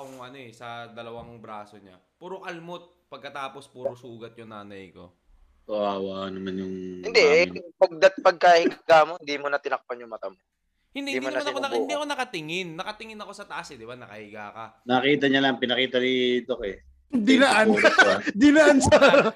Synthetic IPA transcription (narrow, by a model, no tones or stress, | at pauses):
koŋʔɐno̞ɛsɐd̪ɐlɐwaŋbɾaːsoɲa̰ | puːɾoʔɐlmot̪̚pɐɡ̚kːɐt̪aːpo̞spuːɾɾosuːɡɐt̪̚jʊŋnaːnɐjko̞̰ | t̪ʊʔaːwaʔɐnɐmanjʊŋhɪnd̪ɛʔpɐɡ̚d̪ɐt̪̚pɐɡ̚kaːhɪɡaɡaːmo̞hɪnd̪imonɐt̪ɪnɐk̚panjʊŋmɐt̪amo | hɪnd̪immonɐk̪ɐɪd̪iɐkonɐkɐt̪ɪŋɪnːɐkɐt̪ɪŋɪnɐko̞sɐt̪ɐʔasɛd̪ɪbanɐkɐ̰hɪɡaːkɐnɐkiːt̪̬ɐɲɐlɐŋpɪnɐkiːt̪ɐd̪iːt̪okoɛ | d̪ɪnɐʔand̪ɪnɐʔansa